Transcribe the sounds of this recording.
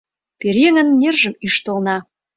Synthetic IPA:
peɾeŋə̆nːerʒə̆myʃt̪ə̆lnɑ

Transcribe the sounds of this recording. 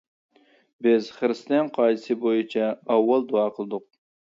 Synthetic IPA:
bɪz̥χɨɾɨst̪ɛnqʰɑjsɨbojit͡ʃʰɑɑwːɑlˠd̪uɑːqʰəlˠɨd̪ʊq̚

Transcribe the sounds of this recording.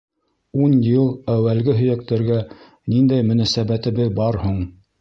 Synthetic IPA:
unjɤlˠæwælɡɘɦɵ̆jæk̚t̪æ̆ɾɡæ | nind̪æjmɵ̆næsæbæt̪ɘ̆bɘðbɑɾhuɴ

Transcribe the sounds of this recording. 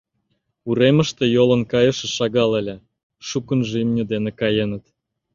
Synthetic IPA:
uɾemə̆ʃt̪ĕjolə̆nkɑjə̆ʃĕʃɑɣɑləlʲĕ | ʃukənʒeimnʲə̆d̪enekɑjenət̪

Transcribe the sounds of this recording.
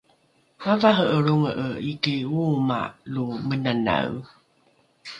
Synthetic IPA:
avaɦəəɾuŋəʔəikiuma̰lumənana̰w

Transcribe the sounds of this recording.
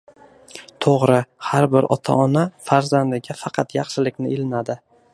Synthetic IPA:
t̪ʰoʁɾɪhaɾbɪɾɒ̰t̪ʰa̰ɒnafaɾzand̪ɪɡʲafɑqʰɑt̪jɑχʃɪlɪkʲnɪɪlɪnad̪ɪ

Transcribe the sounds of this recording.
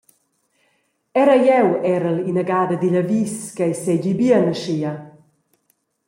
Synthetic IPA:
ɛɾajɛwɛɾəlinəɡaːdəd̪iʎaviskajsɛɟibiənəʃia

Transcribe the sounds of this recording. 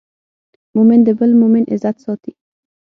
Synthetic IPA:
mʊmɪnd̪əbəlmʊmɪnʔɪ̰zat̪sɔt̪i

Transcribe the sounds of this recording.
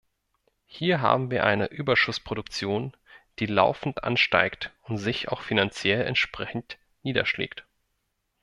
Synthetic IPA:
hiːɐɦa̰ːbm̩viːɐʔaɪnəʔyːbɐʃʊspʁ̥oɾʊkt͡sjoːn | d̥iːla̰ʊfn̩tʔa̰nʃta̰ɪktʊntz̥ɪça̰ʊxfinant͡sjɛlɛ̰ntʃpʁ̥ɛçn̩t | niːdɐ̰ʃlḛːkt

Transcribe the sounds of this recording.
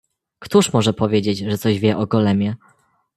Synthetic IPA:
kt̪uʂmɔʐɛpɔvʲjed͡ʑed͡ʑʐɛt̪sɔʑvʲjɛʔɔɡɔlɛmʲjɛ

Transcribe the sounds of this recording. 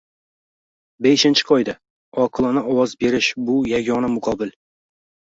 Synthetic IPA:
beʃɪnt͡ʃʰɪ̥qʰɒjd̪a | ɒqʰɨlˠɨnɪɒwɒzbe̞ɾɪʃbʊjaɡʲɒnamʊqʰɒbɪl

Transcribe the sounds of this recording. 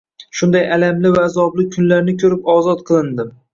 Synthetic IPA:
ʃʊnd̪ajalamlɪvaːzɒblɪkʲʰʊnlaɾnɪkʲʰɵɾɪpɒzɒt̪̚qʰɨlˠɪnd̪ɪm

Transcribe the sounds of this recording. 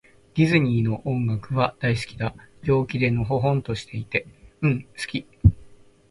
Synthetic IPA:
ɡʲizɨɲ̟iːno̞ʔõŋɡakɯ̟βad̪̥ais̬ɨ̥kʲi̥d̪aɾʲo̞ːkʲid̪e̞noɦo̞ɦõ̞nt̪o̞ɕi̥t̪e̞it̪e̞ɯ̟̃ɴsɨ̥kʲi

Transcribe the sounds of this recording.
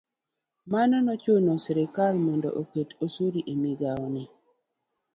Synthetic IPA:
manɔnɔt͡ʃonɔsɛɾɪkalmɔndɔ̰ʔoketosoɾiʔemiɡaɔnɪ

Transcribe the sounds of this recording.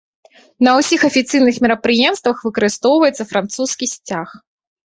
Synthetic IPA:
nɐwsʲixɐfʲit̪sɨjnɨxmʲɛɾɐpɾɨjɛmst̪vɐxvɨkɐɾɨst̪ɔwvɐjɛt̪sɐfɾant̪suskʲisʲt͡sʲax

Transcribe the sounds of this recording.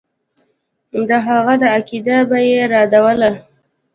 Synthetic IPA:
d̪əɦaɣad̪əakid̪abajeɾɑd̪awəla

